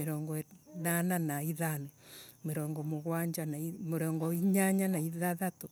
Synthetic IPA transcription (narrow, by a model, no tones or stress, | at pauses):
meɾɔːŋɡɔnananaiðanɛmeɾɔŋɡɔmoɣwaɲd͡ʒanaimoɾɔŋɡɔiɲaɲanaiðaðato